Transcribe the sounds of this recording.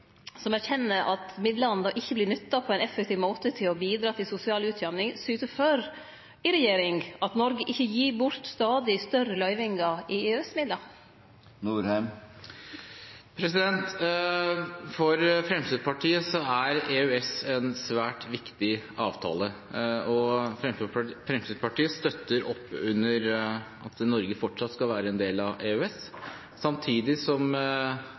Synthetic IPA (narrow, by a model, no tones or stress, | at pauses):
sɔmæɾçɛnːəɾʔɑt̪mɪd̪ləɑnəd̪ɑːʔɪçːəblɪɳʏt̪ːɑpʰɔɛɪnɛfɛk̚t̪ʰiːʋmoːt̪ət̪ʰɪlɔbiːd̪ɾɑːt̪ʰɪlsʊsɪɑːlʉːt̪ʰjɑmnɪŋsyːt̪əføːɾ | ɪɾɛjeːɾɪŋɑt̪nɔɾɡəʔɪçːəjiːɾbʊɾt̪st̪ɑːd̪ɪst̪œrəlœʏʋɪŋɑɪeɛsmɪd̪lɑ | nuːɾhɛm | pʰɾɛsɪd̪ɛnt̪ | fɔɾfɾɛmsiːd̪pʰɑʈʰiːəsɔæɾeʉɛsɛnsʋæːʈʋɪkt̪ɪʔɑːʋt̪ʰɑ̰ːləɔfɾɛfɾɛmst̪iːd̪pʰɑʈiːəst̪œt̪ːəɾʔɔpːʉnːəɾʔɑt̪nɔɾɡəfɔʈʂɑt̪ːskɑlʋæːɾəɛnd̪eːlɑʋʔeʉɛsː | ɑmt̪ʰiːd̪ɪsɔm